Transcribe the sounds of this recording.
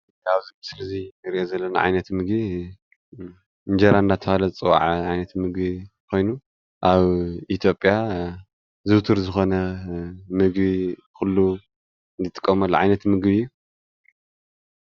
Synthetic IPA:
aβzimɨsɨlɐziɾiʔozɐlːɐna̰ʕa̰jnɐt̪mɨɡbi | ɨnd͡ʒɐɾaɨnd̪at̪ʰɐfalɐzt͡sʼɨwaʕʕajnɐt̪mɨɡβi | kʰo̞jnu | ʔaβit̪ʰjo̞pʼja | zɨwt̪ʰɨɾzɨxo̞nɐ | mɨɡβi | kʰulːu | nd̪ʰɨt̪ʼɨ̥kʼːɐmɐlːuʕajnɐt̪mɨɡβijːu

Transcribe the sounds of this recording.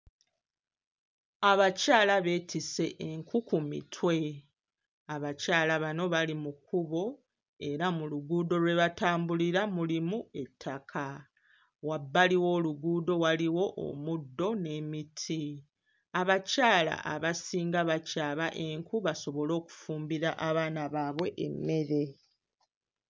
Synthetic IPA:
aβacaːlaβe̞ːtʰise̞ʔeŋkukumḭtʰwe̞ | aβacaːlaβano̞βalimukuβo̞ | e̞ɾamuluɡuːdo̞lwe̞βataːmbuliɾamulimue̞tʰːakʰa | wabːaliwo̞ːluɡuːdo̞waliwo̞ʔo̰mudːo̞ne̞ːmitʰi | aβacaːla̰ʔaβasiːŋɡaβacaːβaʔe̞ŋkuβaso̞βo̞lo̞ːku̥fuːmbiɾaʔaβaːnaβaːβwe̞ʔḛmːe̞ɾe̞

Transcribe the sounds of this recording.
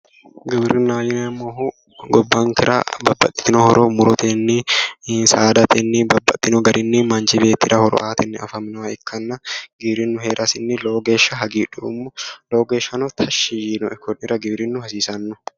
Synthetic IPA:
ɡɪbɾɪnːaːjɪnɐmːoɦu | ɡɔbːaːŋkɪɾʔa̰bɐbːɐ̰t̪ʼːɪ̥t̪ɪnɔhɔɾʔɔmʊɾɔt̪ʰenːɪsaːd̪ɐt̪ʰɛnːɪbɐbːɐt̪ʼːɪnɔɡɐɾʔɪnːɪmɐnd͡ʒɪbe̞ːt̪ːɪɾɐhɔɾɔ̰ʔaːt̪ʰɛnːɛɐ̰fɐmnɐmɐɛkʰːɐnːɐɡɪbɾɪnːʊheːɾʔɐsɪnːɪloːɡe̞ːʃːɐɦɐɡiːᶑumːʊloːɡeːʃɐnɔt̪ʰɐʃijinɔɛkːɔnɪɾɐɡɪbɾɪnːʊhɐsiːsɐnːʊ

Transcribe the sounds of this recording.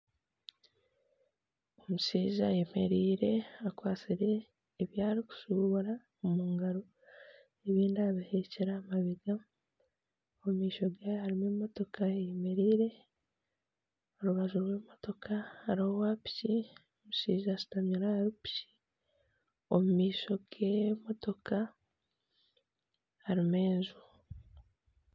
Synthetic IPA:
o̞musiːʒa̰jemeɾiːɾe̞akwaːt͡siɾe̞ː | βjaːɾiku̥suβuɾa | omuːŋɡaɾo | eβiːndaβihe̞ceɾaːmaβiɡa | omiːʃo̞ɡajohaɾimeːmo̞to̞kʰaejeme̞ɾiːɾe̞ | oɾuβaʒuɾwe̞ːmo̞to̞kʰahaɾihowapci | omuʃiːʒasi̥tamɲuɾaɾupi̥ci̥ | o̰mumiːʃo̞ɡemo̞to̞kʰa | haɾimeːnzu

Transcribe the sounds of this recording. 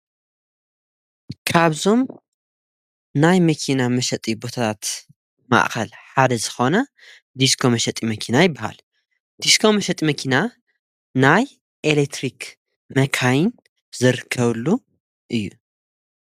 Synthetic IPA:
kʰaβzo̞m | najmɐkʰinamɐʃɐt̪ʼibo̞t̪ʰat̪ʰat̪ | ma̰ʔxɐlħad̪ɐzɨxo̞nɐ | d̪iskʰo̞mɐʃɐt̪ʼimɐkʰinajɪbːaha̰l | d̪̥iskʰo̞mɐʃɐt̪ʼimɐkʰina | naj | ʔelekt̪ʰɾik | mɐkʰajɪn | zɨɾɨkʰːɐβlːu | ʔɨjːu

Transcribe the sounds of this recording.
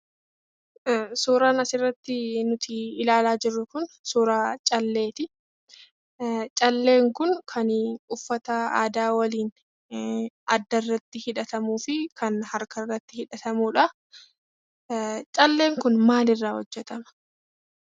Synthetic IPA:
suːɾaːnɐsɪrːɐt̪ːɪnʊt̪ʰɪːlaːlaːd͡ʒɪrːʊkʊnsuːɾaːt͡ʃʼɐlːe̞ːt̪ɪ | t͡ʃʼɐlːe̞ːŋkʊnkʰɐnʊfːɐt̪ɐa̰ːd̪aːwɐliːn | ʔɐd̪ːɐrːɐt̪ːɪhɪᶑɐt̪ɐmuːfɪkʰɐnhɐɾkɐrːɐt̪ːɪhɪᶑɐt̪ɐmuːᶑɐ | t͡ʃʼɐlːe̞ːŋkʊnmaːlɪrːaːhɔd͡ʒːɛt̪ɐmɐ̥

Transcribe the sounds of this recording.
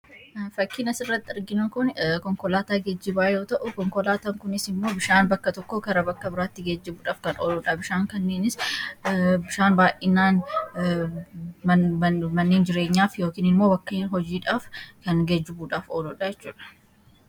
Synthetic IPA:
fɐkːinɐsɪrːɐt̪ːɪɪɾɡɪnokʊnkɔŋkɔlaːt̪aːɡed͡ʒːɪbaːjoːt̪ɐʔʊkɔŋkɔlaːt̪ɐŋkʊnɪsɪmːo̞ːbɪʃaːnbɐkːɐt̪ɔkːokɐɾɐbɐkːɐbɪɾaːt̪ːɪɡed͡ʒːɪbuːᶑaːfkɐnoːlɔᶑɐbɪʃaːŋkɐnːeːnɪs | bɪʃaːnbaːjʔɪnːaːn | mɐnːeːnd͡ʒɪɾe̞ːɲːaːfjo̞ːkiːnɪmːo̞ːbɐkːɐnɦɔd͡ʒiːᶑaːfkɐnɡed͡ʒːɪbuːᶑaːfoːlɔᶑɐjɛt͡ʃːuːᶑɐ̥

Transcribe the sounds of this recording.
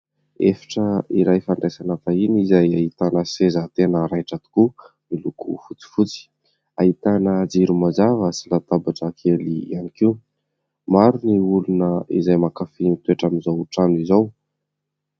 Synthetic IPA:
efḁʈ͡ʂəiɾajfaɳɖ͡ʐesanafainizajait̪anəsezat̪enəɾajʈ͡ʂat̪u̥ku | milukṵfut͡si̥fut͡si̥ | ait̪anəd͡ziɾumazavəsilat̪abaʈ͡ʂakʰelianikiu | maɾuniulunəḭzajmakafinit̪weʈ͡ʂamizowuʈ͡ʂanizaw

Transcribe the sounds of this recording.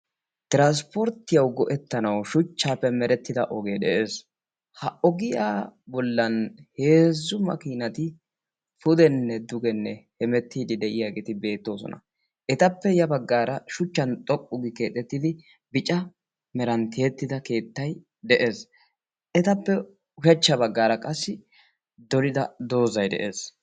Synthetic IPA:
t̪ɪɾans̬pɔɾt̪ːɪjɐwɡɔʔɛt̪ːɐnɐwʃʊt͡ʃːaːpːɛmɛɾɛt̪ːɪd̪ɐʔɔɡeːd̪ɛʔeːs | hɐʔɔɡɪjaːbɔlːɐnhe̞ːzːʊmɐ̰kiːnɐt̪ɪ | fʊd̪ɛnːɛd̪ʊɡɛnːɛhɛmɛt̪ːiːd̪ɪd̪ɛʔɪjaːɡeːt̪ɪbe̞ːt̪ːo̞ːsɔ̰nʔɐ̰ | ʔɛt̪ɐpːɛjɐbɐɡːaːɾɐʃʊt͡ʃːɐnt̪ʼɔkʼːʊɡɪkeːt̪ʼːɛt̪ːɪd̪ɪ | bɪt͡ʃʼɐ | mɛɾɐnt̪ʰɪɛt̪ːɪd̪ɐke̞ːt̪ːɐj | d̪ɛʔe̞ːs | ʔɛt̪ɐpːɛ | ʊʃɐt͡ʃːɐbɐɡːaːɾɐkʼɐsːɪ | d̪ɔlɪd̪ɐd̪o̞ːzɐjd̪ɛ̰ʔe̞ːs

